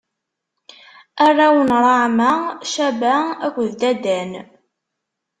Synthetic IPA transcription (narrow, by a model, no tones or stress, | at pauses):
ærˤːawənɾˤɑʕmæʃæbæækʷːðd̪æd̪æn